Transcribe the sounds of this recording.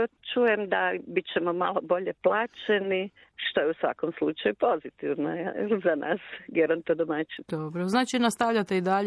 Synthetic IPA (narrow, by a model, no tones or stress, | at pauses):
t͡ʃujemd̪abit͡ɕemoma̰lˠobo̞ʎeplˠaːt͡ʃeni | ʃt̪o̞jeusʋa̰komslˠut͡ʃajupo̞zit̪iʋnozanʔa̰ːsɡeɾont̪od̪omat͡ʃid̪obɾoznaːt͡ʃinast̪aʋʎat̪eid̪aʎ